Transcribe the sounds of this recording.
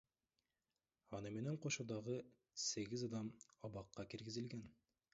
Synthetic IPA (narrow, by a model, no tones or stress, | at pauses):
ɑnɤmenæɴqoʃud̪ɑʁɤ | seɡɘzɑd̪ɑmɑβɑqːɑkiɾɡɘ̆zɘ̆lɡæn